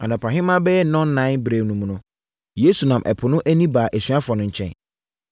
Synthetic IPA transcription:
ã˨nɔ̃˨pʰã˨ɦɪ̃˦mã˦bɛ˦jɛ˦nɔ̃˦n˦nã˦bɾe˨nũ˨mũ˨nʊ̃˦ | je˨˦su˨nã˨mʔɛ̰˨pʰʊ˨nʊ̃˦ʔæ˦nĩ˦baː˨ʔæ˨sɥa˦fɔ˨nʊ̃˨ɲ̩˨t͡ɕʰɛ̰̃˦˨n

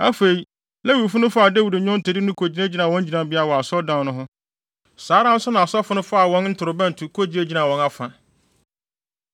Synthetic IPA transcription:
a˦fe˨i˦ | lɛ˦wu˨ɾfʊ˦nʊ̃˦fa˨dæ˦wu˨dɲʊ̃˦n̩˦tʰɛ˨di˦nʊ̃˦kʰo˨d͡ʑi˦na˦d͡ʑi˨˦nã˨wɔ̃˦ɲ˦d͡ʑi˨nã˨˦bi˦a˦˨wɔ˨a˨sɔ˦dã˦˨˦nʊ̃˦ɦʊ̃˦ | saː˨˦ɾã˦n̩˦sʊ˦nã˨a˨sɔ˦fʊ˦nʊ̃˦fa˦a˨wɔ̃˦nn̩˦tʰʊ˨ɾʊ˨bɛ̃˦n̩˨tʰʊ˨kʰo˦d͡ʑi˨ne˦d͡ʑi˨nã˨wɔ̃˨na˦fã˨

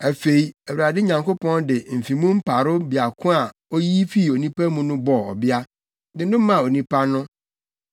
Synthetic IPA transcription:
æ˨fe˨i˨æ˨wu˨ɾa˨dɪ˦ɲã˨ŋko˦pʰɔ̃˦ndɪ˨m̩˨fĩ˨mũ˦m̩˦pʰa˨ɾʊ˦bi˨a˨kʰʊ̃˦a˨o˦ji˦fi˦˨o˨nĩ˦pʰa˦mũ˦nʊ̃˦bɔ˨ɔ̰˨bɪ˦a˦ | dɪ˨nʊ̃˦m˦mã˨o˨nĩ˦pʰa˦nʊ̃˦

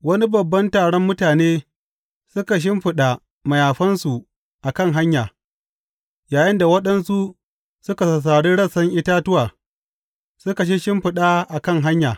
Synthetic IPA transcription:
wɐ˦ni˦bɐ˨bːɐ˦ntaː˨ɽɔ˦mːʊ˦taː˨neː˦ | sʊ˦ka˨ʃ̬ɪ˦mɸɪ˨ɗa˨ | mɐ˨jaː˨ɸɐ˦nsu˨ʔ | ʔa˨kɐ˦˨ŋɦa˦ɲjaː˨ | jaː˨jɪ˦nda˨wɐ˦ɗɐ˦nsu˦ | sʊ˦ka˨sɐ˨s̬aː˨ɽi˦ɽɐ˦sɐ˦ŋʔɪ˦taː˦tʊ˦waː˨ | sʊ˦ka˨ʃ̬i˦ʃɪ˦mɸɪ˨ɗaː˦ʔa˨kɐ˦ŋɦa˦ɲjaː˨

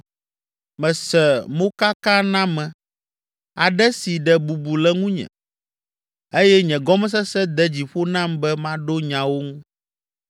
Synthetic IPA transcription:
mɛ̃˨sɛ˨mõ˦ka˦kã˦nã˦mɛ̃˨ | a˨ɖɛ˦si˨ɖɛ˨bu˨bu˨lɛ˦ŋũ˦ɲɛ̰̃˨ | e˦jɛ˦ɲɛ̃˨ɡɔ˦m˦s̬ɛ˦sɛ˦d̪ɛ˦d͡ʑi˨ɸo˦nã˦mbɛ˦mã˦ɖo˦ɲã˨wo˦ŋũ˦

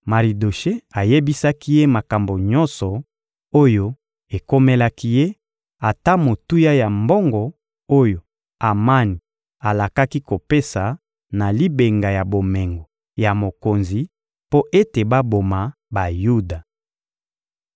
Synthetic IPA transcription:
ma˨ʁi˨do˨ʃe˦a˨je˦bi˦sa˦ki˦je˦ma˨ka˨mbo˨ɲɔ̃˦nsɔ˨ | o˦jo˦ | e˨ko˦me˦la˦ki˦je˦ | a˨ta˦mo˨tu˦ja˦ja˨mbɔ˦ŋɡɔ˨ | o˦jo˨ | a˨ma˦ni˨ | a˨la˨ka˦ki˦ko˨pe˦sa˨ | na˨li˦be˨ŋɡa˨ja˨bo˨mɛ˨ŋɡo˨ | ja˨mo˨ko˨nzi˨ | po˦ʔe˦te˨ba˦bo˨ma˨ | ba˨ju˦da˨

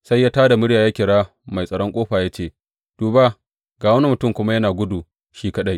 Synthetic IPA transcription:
sa˦jːaː˦taː˦da˨mʊ˦ɽjaː˨jaː˦kʲɪ˨ɽaː˦ | ma˨jsʼɐ˨ɽɔ˦ŋkʷʼoː˦ɸaː˨jaː˦t͡ʃeː˦˨ | d̥uː˨ba˦ | ɡaː˨wɐ˦ne˦mʊ˨tʊ˦˨mkʷʊ˦ma˦jɐ˦naː˨ɡʷʊ˦duː˨ | ʃiː˦kɐ˦ɗa˦j

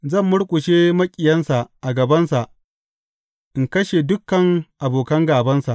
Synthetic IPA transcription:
zɐ˦˨mːʊ˦ɽkʷʼʊ˨ʃeː˦mɐ˦kʲʼɪ˨jɐ˦nsa˨ʔʔa˨ɡɐ˨bɐ˦nsa˨ʔ | ʔɪ˨ŋkɐ˦ʃe˨dʊ˦kːɐ˨ŋʔa˨boː˨kɐ˦ŋɡaː˨bɐ˦nsa˨ʔ

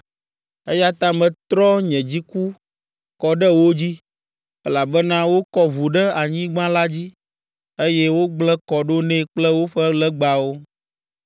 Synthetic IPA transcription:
e˦ja˦t̪ã˦mɛ̃˨t̪ɾɔ˦ɲɛ̃˨d͡ʑi˦ku˦ | kɔ˨ɖɛ˦wo˦d͡ʑi˦ | ɛ˦la˨bɛ˦nã˦wo˦kɔ˦vu˨ɖɛ˦a˨ɲĩ˦ɡ͡bã˦la˦d͡ʑi˦ | e˦jɛ˦wo˦ɡ͡blɛ˦kɔ˨ɖo˦nɛ̃˦k͡plɛ˦wo˦ɸɛ˦lɛ˦ɡ͡ba˨wo˦

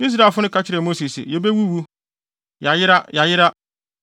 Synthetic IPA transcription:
i˦s̬ɾa˦˨fʊ˦nʊ̃˦ka˦t͡ɕʰɪ˦ɾɛ˨mo˦si˨sɪ̰˨jɛ˨be˦wu˦˨wu˦ | ja˨jɪ˦ɾa˦ja˨jɪ˦ɾa˦

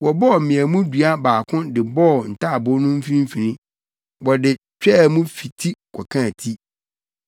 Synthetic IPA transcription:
wɔ˨bɔ˦ɔ˨m̩˨mɪ̃˨æ˨mũ˦du˨a˦baː˨kʰʊ̃˦dɪ˨bɔ˦ɔ˨n̩˨tʰa˦a˨bʊ˦nʊ̃˦m̩˦fi˦ĩ˦m̩˦fĩ˨nĩ˦ | wɔ˨dɪ˨ | t͡ɕᶣɛ˦˨mũ˦fi˨tʰi˦kʰʷɔ˨kʰã˦˨tʰi˦

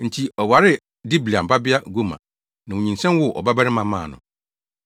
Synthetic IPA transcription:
n̩˨tʰi˦ɔ˨wa˨ɾɪ˦ | di˦bli˨a˨m̩˨ba˦bɪ˦a˦ɡo˦mã̰˨ | nã˨wu˨ɲĩ˨n˨sɛ̃˦m˦wʊ˦ʔɔ̰˨ba˦ba˦ɾɪ˦mã˦mã̰ː˦˨nʊ̰̃˨

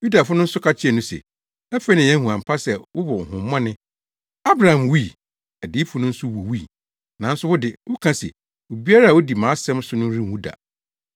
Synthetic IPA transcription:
ju˦da˨fʊ˦nʊ̃˦n̩˦sʊ˦kʰa˦t͡ɕʰɪ˦ɛ˨nʊ̃˦sɛ̰˨ | ɛ˦fɛ˦nɪ̃˨jɛ̃˦hũ˨ã˨m˨pʰa˦sɛ˨wʊ˦bɔ˨hʊ̃˨m˦mɔ̃˦nɪ̃˦ | a˦bɾa˨hã˨mwi˦˨ | æ˨di˨˦fʰʊ˨nʊ̃˦n̩˦sʊ˦wu˨wi˦˨ | nã˨n̩˦sʊ˦wʊ˦dɪ˨wʊ˦kʰã˦sɛ̰˨ | wo˨bi˦a˦ɾa˦˨wo˦di˨mãː˨˦sɛ̃˦m˦sʊ˦nʊ̃˦ɾĩ˦˨wũ˦da̰˨

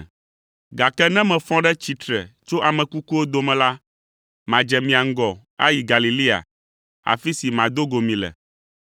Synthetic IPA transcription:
ɡa˨kɛ˦nɛ̃˦mɛ̃˨fɔ̃˦ɖɛ˦t͡ɕi˦t̪ɾɛ˨t͡ʃo˦ʔa˨mɛ̃˨ku˦ku˦wo˦d̪o˦mɛ̃˨la˦ | mã˨d͡ʒɛ˨mĩ˨a˨ŋ̩˦ɡɔ˨ | a̰˦ji˨ɡa˨li˨li˦a̰˨ | a̰˨fi˦si˨mã˨d̪o˦ɡo˨mĩ˨lɛ̰˨

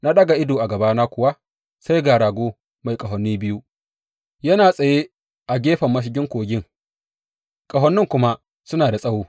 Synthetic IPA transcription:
na˦ɗɐ˦ɡa˨ʔɪ˦doː˨ʔa˨ɡɐ˨baː˦naː˦kʷʊ˨wa˦ | sa˦jɡaː˨ɾaː˨ɡʷoː˦ | ma˨jkʼɐ˨ɦɔ˨nːiː˦bɪ˦ju˦ | jɐ˦naː˨sʼɐ˨jeː˦ | ʔa˨ɡʲeː˦ɸɐ˨mːɐ˦ʃ̬ɪ˦ɡʲɪ˦ŋkʷoː˨ɡʲɪ˦ŋ | kʼɐ˨ɦɔ˦nːɪ˦ŋkʷʊ˦ma˦ | sʊ˦naː˨da˨sʼɐ˦wuː˦

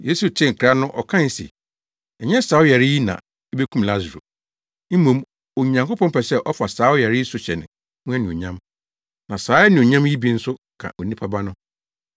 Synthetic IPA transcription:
je˦su˨t͡ɕʰɪ˦ŋ̩˨kʰɾa˦nʊ̃˦ʔɔ˨kʰã˦n˨sɛ̰˨ | ɛ˨ɲɛ̃˦saː˨˦ʊ˦jɛ˨ɾɪ˦i˦nã̰˨ | ɛ˦be˦kʰũ˦mla˦zɾo̰˨ | m̩˦mõ˨m | o˨ɲã˨ŋkʊ˦pɔ̃˦mpɛ˨sɛ˦ʔɔ˦fa˨saː˨˦ʊ˦jɛ˨ɾɪ˦i˦sʊ˦ɕɛ˨nɪ̃˨ | mũ˦ɛ˦nĩ˨o˨ɲã˦m | nã˨saː˨˦ɛ˦nɪ̃˨o˨ɲã˦mji˦bi˦n̩˦sʊ˦ | kʰã̰˨ʔo˨nĩ˦pʰa˦ba˦nʊ̃˦

